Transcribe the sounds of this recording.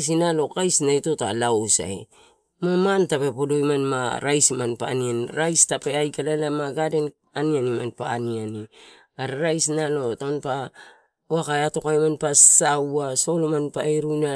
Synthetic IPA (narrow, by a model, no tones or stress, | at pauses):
s̬inalo̞kajsnajto̞ta̰laosa̰j | mamantape̞podo̞jmanmaɾajsimanpa̰nianɾajstapeajkalalamaɡade̞n | anianimanpaːniani | aɾaɾajsnalo̞tanpa | oakajato̞kajmanpasawaso̞lomanpaeɾujna